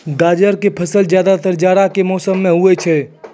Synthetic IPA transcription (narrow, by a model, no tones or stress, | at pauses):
ɡaːd͡ʒəɾkepʰəsəld͡ʒjaːd̪at̪əɾd͡ʒaːɽakemɔːsəmːẽɦuet͡ʃʰɛ